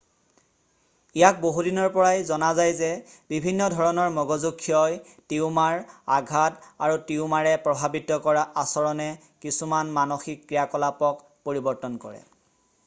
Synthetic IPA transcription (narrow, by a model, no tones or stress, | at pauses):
ijak̚boɦudinɔɹpɔɹajzɔnazajzɛbibʱinːɔdʱɔɹɔnɔɹmɔɡɔzukʰːijɔj | tiʊmaɹaɡʱataɹutiʊmaɹɛpɹɔbʱabitɔkɔɹaʔasɔɹɔnɛ | kisumanmanoxikːɹijakɔlapɔk | poɹibɔɹtɔnkɔ̰ɹɛ̰